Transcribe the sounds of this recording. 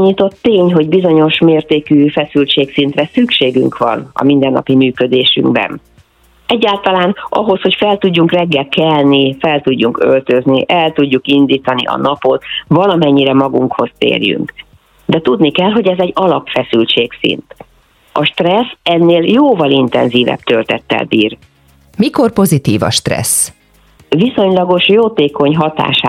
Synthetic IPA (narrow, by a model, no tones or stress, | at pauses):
ɲit̪o̞t̪ːeːɲɦo̞ɟbizo̞ɲo̞ʃmeːrt̪eːkyːfɛsylt͡ʃeːksint̪rɛsykʃeːɡy̰ŋkʋɒ̰nɒ̰mind̪ɛnːɒ̰pimyːkø̞d̪eːʃy̰ŋɡbɛ̰n | ɛɟːaːlt̪ɒlaːnʔɒɦo̞sho̞cfɛlt̪uɟːuŋkrɛɡːɛlkɛlnifɛlt̪uɟːuŋkø̞lt̪ø̞zniʔɛlt̪uɟːukind̪iːt̪ɒnḭʔɒ̰nɒpo̞t̪vɒlɒmɛɲːiɾɛmɒɡuŋkho̞st̪ḛːrjy̰ŋk | d̪ɛt̪ud̪nikɛlɦo̞ɟɛzɛɟːɒlɒpfɛsylt͡ʃeːksḭnt̪ | ɒʃt̪rɛsɛnːeːljoːvɒlint̪ɛ̰nziːvɛ̰bt̪ølt̪ɛ̰t̪ːɛ̰lbiːr | miko̞rpo̞zit̪iːvɒ̰ʃt̪rɛ̰s | viso̞ɲlɒɡo̞ʃjoːt̪eːko̞ɲɦɒt̪a̰ːʃa